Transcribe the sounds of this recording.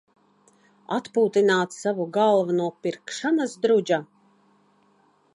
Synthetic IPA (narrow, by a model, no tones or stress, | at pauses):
a̰t̪puːt̪inaːt̪ssavuɡalˠvunuɔpiɾkʃanasd̪ɾud͡ʒa